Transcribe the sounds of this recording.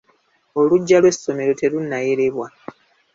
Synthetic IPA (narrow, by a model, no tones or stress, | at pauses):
o̞luɟːalwe̞sːo̞me̞ɾo̞te̞lunːaje̞ɾeβwa